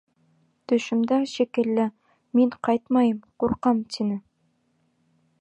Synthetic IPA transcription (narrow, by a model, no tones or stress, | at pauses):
t̪ɵ̆ʃɘ̆md̪æʃikɘ̆lːɘ | miɴqɑjt̪mɑjɤmquɾqɑmt̪ʰinɘ